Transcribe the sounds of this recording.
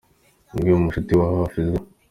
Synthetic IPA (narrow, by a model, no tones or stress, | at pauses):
ɡiumuʃutiwahoafizɡe